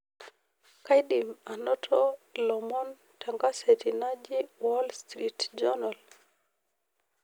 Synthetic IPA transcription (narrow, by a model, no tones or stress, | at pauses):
kajdimanɔtʰɔlɔmɔn | tʰaŋɡasetinad͡ʒiwɔlst̪ɾitd͡ʒɔnal